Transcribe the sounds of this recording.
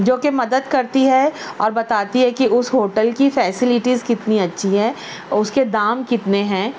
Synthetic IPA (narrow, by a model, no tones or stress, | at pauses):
d͡ʒoːkemɐd̪əd̪kɐɾt̪iɦɛɔːɾbɐt̪aːt̪iɦɛkiʔʊsɦoːʈəlkifɛːsɪlɪʈizkɪt̪niɐtːʃʰiɦɛ̃ː | ʊsked̪aːmkɪt̪neɦɛ̃ː